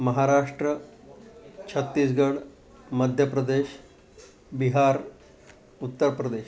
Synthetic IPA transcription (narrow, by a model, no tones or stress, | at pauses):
məɦaɾaʂʈɾə | t͡ɕʰət̪ːiːs̬ɡəɽ | məd̪ʱjəpɾəd̪eɕ | biɦaɾ | ut̪ːəɾpɾəd̪eɕ